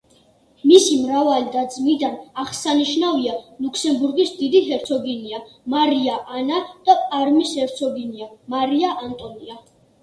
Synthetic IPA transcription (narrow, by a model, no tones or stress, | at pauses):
misimɾavalid̪ad̪zmid̪anaχsaniʃnavialukʰsɛmbuɾɡisd̪id̪iɦɛɾt̪sʰɔɡiniamaɾiaʔanad̪̥apʼaɾmishɛɾt̪sʰɔɡiniamaɾiaʔant̪ʼɔnia